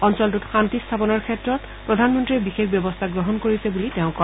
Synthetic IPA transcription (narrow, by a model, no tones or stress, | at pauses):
ɔnsɔltutxantist̪ʰapɔnɔɹkʰɛtɹɔt | pɹɔdʱanmɔntɹibixekbjɔbɔst̪ʰaɡɹɔɦɔnkoɹisɛbuliteʊ̃kɔ